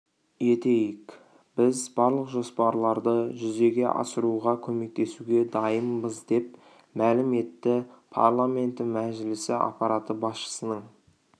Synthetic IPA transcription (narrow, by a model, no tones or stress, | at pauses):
jet̪e̞jɪk | b̥ɪzbɑɾlˠəqʒo̞spɑɾlˠɑɾd̪əʒʏze̞ɡʲe̞ʔɑ̰səɾuʁɑkʲʰɵme̞k̚t̪ʰe̞suɡʲe̞d̪ɑjəmbəzd̪e̞p̚ | mælɪme̞t̪ːɪpʰa̰ɾlˠame̞nt̪ɪmæʒɪlɪsɪʔɑ̰pɑɾat̪əbɑsʃə̥sənəɴ